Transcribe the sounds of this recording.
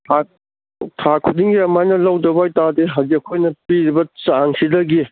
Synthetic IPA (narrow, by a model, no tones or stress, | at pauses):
tʰa | tʰakʰudiŋɡiɐmajnɐlɐwdɐbajtadeɦɐziɐkʰojnɐpiɾibɐt͡ʃaŋsidɐɡi